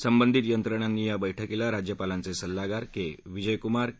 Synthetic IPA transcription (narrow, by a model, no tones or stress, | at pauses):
səmbənd̪ʱit̪jənt̪ɾəɳ̃anːiːjabəjʈʰəkilaɾad͡ʑjəpalãnt͡sesəlːaɡaɾkeʋid͡ʑəjkumaɾ